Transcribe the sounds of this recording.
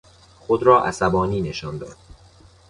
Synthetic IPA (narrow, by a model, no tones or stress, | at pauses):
xod̪ɾɒːʔæsæbɒːniːne̞ʃɒːnd̪ɒ̰ːd̪̥̚